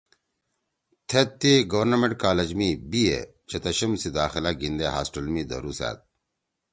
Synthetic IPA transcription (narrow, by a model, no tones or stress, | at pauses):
t̪ʰet̪ːiɡɐwɐɾnɐmẽɳʈ̚kaːlɐd͡ʑmibiḛ | t͡ɕet̪ɐɕɐmsid̪aːxilaɡind̪eɦa̰ːsʈɐlmid̪ɐ̰ɾuːsa̰ːt̪̚